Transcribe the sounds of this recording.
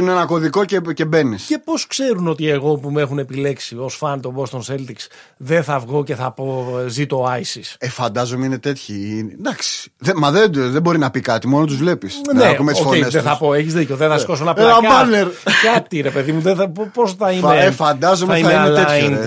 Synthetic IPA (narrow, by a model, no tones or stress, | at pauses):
ineenɐko̞ðiko̞cece̞be̞nisce̞po̞skse̞ɾuno̞t̪ieɣo̞pumexune̞pile̞ksio̞sfɐnt̪o̞bo̞st̪onselt̪iksðenθɐvɣo̞ce̞θɐpo̞zit̪oɐisisefɐnd̪ɐzominet̪et̪çid̪ɐksi̥ðemɐðed̪ðebo̞ɾinɐpikɐt̪imo̞not̪uzvle̞pisnekumet̪sofoenesðeθɐpo̞eçizðico̞ðeθɐskos̬onɐpeaɐneɾkɐt̪iɾe̞pe̞ðimuðeɐpposθɐineefɐnd̪ɐzomeɐiθɐmeiɐnelean